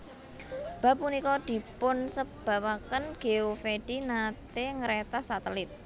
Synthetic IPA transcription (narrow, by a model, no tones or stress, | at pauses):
b̥a̤p̚unikɔd̪̥i̤pʊnsəb̥a̤wakənɡ̥e̤ofeɖ̥inat̪eŋəɾet̪asat̪əlɪt̪̚